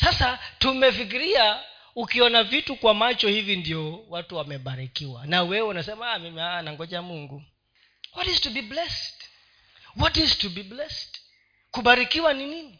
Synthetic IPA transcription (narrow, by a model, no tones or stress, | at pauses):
sasatumɛfik̬iɾia | ukiɔnavitukwamat͡ʃɔhivindiɔwatuwamɛɓaɾikiwa̰nawɛunasɛmaamimianaŋɡɔʄamuŋɡu | wɔtiztubiblɛst | wɔtiztubiblɛst | kuɓaɾikiwaninini